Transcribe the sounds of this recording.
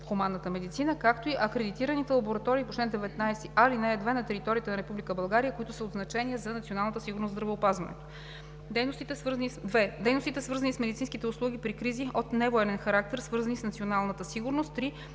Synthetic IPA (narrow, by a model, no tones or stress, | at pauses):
xʊmanːət̪əmɛd̪it̪sinəkakt̪oiʔɐkɾɛd̪it̪iɾənit̪ɛlˠɐboɾɐt̪ɔɾiːpot͡ʃlɛnd̪ɛvɛt̪najst̪iʔalinɛɛd̪vɛnɐt̪ɛɾit̪ɔɾʲiət̪ɛnɐɾɛpublʲikəbɐlˠɡaɾijəkoit̪ʊsəod̪znɐt͡ʃɛniəzɐnɐt̪sʲionalˠnət̪əsiɡʊɾnost̪d̪ɾɐvɛopazvɐnɛ̰t̪o̥ | ɛnost̪it̪ɛɛd̪ɛjnost̪it̪ɛsvɤɾzɐnismɛd̪it̪sinskit̪ɛʊslˠuɡ̟ipɾikɾiziot̪nɛvoɛnɛnxɐɾak̚t̪ɛɾsvɤɾzɐnisnɐt̪sionalˠnət̪əsiɡʊɾnost̪̚pɾi